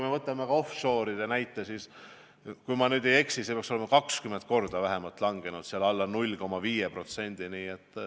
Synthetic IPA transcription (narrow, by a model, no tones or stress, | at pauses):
jmevɤt̪ːˑɑmeɡ̥ɑo̞fʃo̞ːɾid̪enæjt̪ːˑesiːs | kujmɑnyːd̪eje̞ksisepeɑkso̞le̞mɑkɑkskyment̪̚ko̞rd̪̥ɑvæɦe̞mɑlt̪lɑŋɡ̥e̞nud̪̥seɑlɑlːɑnulʲːko̞mːɑviːjepro̞t̪se̞nʲd̪̥iniːet̪ː